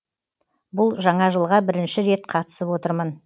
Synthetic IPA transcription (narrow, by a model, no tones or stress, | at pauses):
bʊlˠʒɑɴɑʒəlˠʁɑbɪɾɪnʃɪɾe̞t̪̚qʰɑt̪ə̥səpwo̞t̪əɾmən